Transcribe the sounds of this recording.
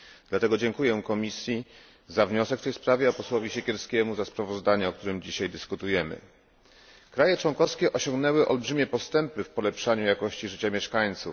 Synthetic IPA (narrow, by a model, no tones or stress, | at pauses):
d̪lat̪ɛɡɔd͡ʑɛŋkujɛ̃kɔmʲisʲji | zavɲɔsɛkft̪ɛjspɾavʲjɛɔpɔswɔvʲiɕɛkʲɛɾskʲɛmuzaspɾavɔzd̪aɲɛɔk̚t̪uɾɘmd͡ʑiɕajd̪ɘskut̪ujɛmɘ̰ | kɾajɛt͡ʂwɔŋkɔfskʲɛʔɔɕɔŋɡnɛwɘʔɔlbʐɘmʲjɛpɔst̪ɛmpɘfpɔlɛpʂaɲujakɔɕt͡ɕiʐɘt͡ɕamʲjɛʂkaɲt̪suf